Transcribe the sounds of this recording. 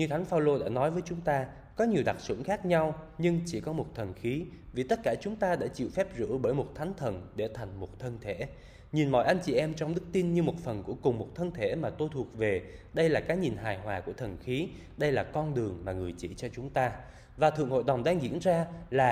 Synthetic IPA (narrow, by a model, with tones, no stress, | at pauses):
ɲɨ˧t̪ʰa˨˦ŋ̟faː˧wlo˧ɗa̰ː˧˥nɔ˨˦jvəː˨˦jt͡ɕʊ˨˦ŋ͡mt̪aː˧ | kɔ˨˦ɲi˨˩əwɗa˨˩t̚sʊ̰˧˥ŋxaː˦˥k̚ɲa˧wɲɨ˧ŋt͡ɕi˧˩kɔ˨˦mo˨˩t̚t̪ʰə˨˩nxi˨˦vi˨˩t̪ə˦˥t̚kaː˧˩t͡ɕʊ˨˦ŋ͡mt̪aː˧ɗa̰ː˧˥t͡ɕḭ˧˨wfɛ˦˥p̚zɨ̰˧˥ɓəː˧˩jmo˨˩t̚t̪ʰa˨˦ŋ̟t̪ʰə˨˩nɗe˧˩t̪ʰa˨˩jŋ̟mo˨˩t̚t̪ʰə˧nt̪ʰe˧˩˨ | ɲi˨˩nmɔ̰˧˨jʔa˧jŋ̟t͡ɕi˨˩ʔɛ˧mt͡ɕɔ˧wŋ͡mɗɨ˦˥k̚t̪i˧nɲɨ˧mo˨˩t̚fə˨˩nku˧˩əkʊ˨˩ŋ͡mmo˨˩t̚t̪ʰə˧nt̪ʰe˧˩maː˨˩t̪o˧jt̪ʰu˨˩ət̚ve˨˩ɗə˧jlaː˨˩kaː˨˦jɲi˨˩nɦaː˨˩jɦwaː˨˩ku˧˩ət̪ʰə˨˩nxi˨˦ | ɗə˧jlaː˨˩kɔ˧nɗɨ˨˩əŋmaː˨˩ŋɨ˨˩əjt͡ɕḭ˧˩t͡ɕɔ˧t͡ɕʊ˨˦ŋ͡mt̪aː˧ | vaː˨˩t̪ʰɨ̰˧˨əŋho̰˧˨jɗə˨˩wŋ͡mɗaː˧ŋɣḭ˧˥ənzaː˧laː˨˩